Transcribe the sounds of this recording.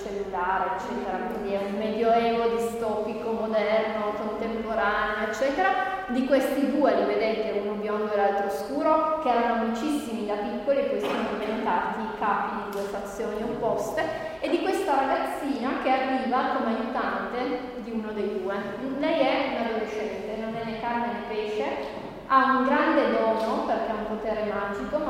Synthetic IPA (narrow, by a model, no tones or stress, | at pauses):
t͡ʃelːulaːɾeet͡ʃːɛːt̪eɾakwind̪iɛumːɛd̪joɛːɡod̪ist̪ɔːpikomod̪ɛrnokont̪empoɾaneoet͡ʃːɛːt̪eɾa | d̪ikwest̪id̪uːeɾived̪ɛnt̪eunobjɔŋɡoɛɾalt̪ɾooskuːɾokeɛːɾanomult͡ʃisːimid̪apikːoliekːesianoɾjent̪aːt̪ikaːpid̪id̪uesfat̪sːjoːniopːɔst̪e | ed̪ːikwest̪aɾaɡat̪sːiːnak̟earːiːvakomeajut̪ant̪e | d̪iunod̪ejd̪uːe | lɛjɛunadoɾeʃɛnt̪enonːelːekarmenepeːʃe | auŋɡɾand̪ed̪ɔːnoperk̟eaumpot̪eːɾemaːd͡ʒiko